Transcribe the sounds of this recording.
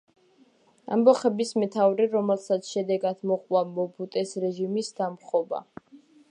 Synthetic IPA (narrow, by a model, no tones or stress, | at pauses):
a̰mbɔχɛbismɛt̪ʰavɾɛɾɔmɛlˠsat̪sʰʃɛd̪ɛɡad̪mɔqʼwamɔbut̪ʼɛsɾɛʒimisd̪̥amχɔba̰